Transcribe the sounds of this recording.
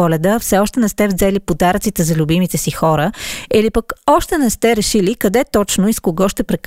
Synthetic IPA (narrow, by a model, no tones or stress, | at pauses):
ɔlʲɛd̪əfsɛɔʃt̪ɛnɛst̪ɛvzɛlipod̪aɾt̪sit̪ɛzɐlʲubimit̪ɛsixɔɾəilipəkɔʃt̪ɛnɛst̪ɛɾɛʃilikɐd̪ɛt̪ɔt͡ʃnoiskoɡɔʃt̪ɛpɾɛk